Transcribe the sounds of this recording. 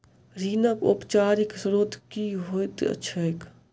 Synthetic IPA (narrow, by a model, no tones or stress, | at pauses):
ɾiːnəkʊ̰pt͡ʃaːɾɪksɾoːd̪ʱkiɦojt̪ə̰ːʃʰəek